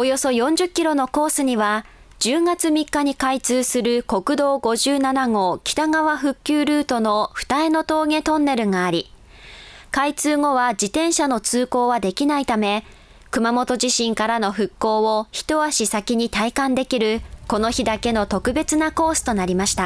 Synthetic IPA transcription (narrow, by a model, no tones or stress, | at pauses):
o̞jo̞so̞jõ̞ɲ̟d͡ʑɨkʲːiɾo̞no̞ko̞ːsɨɲ̟iβa | d͡ʑɨːŋat͡sɨmʲikːaɲ̟ikait͡sɨːsɨɾɯ̟ko̞kɯ̟d̪o̞ːɡo̞ʑɨːnanaŋo̞ːkʲi̥t̪aŋaβaɸɯ̟kʲːɨːɾɯ̟ːt̪o̞no̞ɸɯ̟̥t̪ae̞no̞t̪o̞ːɡe̞t̪õ̞nːe̞ɾɯ̟ŋaːɾʲi | kait͡sɨːŋo̞βad͡ʑit̪ẽ̞ɰ̃ɕano̞t͡sɨːko̞ːβad̪e̞kʲinait̪ame̞ | kɯ̟mamo̞t̪o̞ʑiɕĩŋkaɾano̞ɸɯ̟kːo̞ːoçi̥t̪o̞βaɕisakʲiɲ̟it̪aikãnd̪e̞kʲiɾɯ̟ko̞no̞çid̪ake̞no̞t̪o̞kɯ̟be̞t͡sɨnako̞ːsɨ̥t̪o̞naɾʲimaɕi̥t̪a